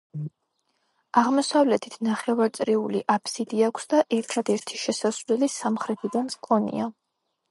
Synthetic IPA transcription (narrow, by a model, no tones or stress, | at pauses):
aʁmɔsavlɛt̪ʰit̪ʰnaχɛvaɾt̪sʼɾiulḭʔapʰsid̪iakʷʰsd̪aʔɛɾt̪ʰad̪ɛɾt̪ʰi̥ʃɛsasvlɛlisamχɾɛt̪ʰid̪anskʼɔnḭa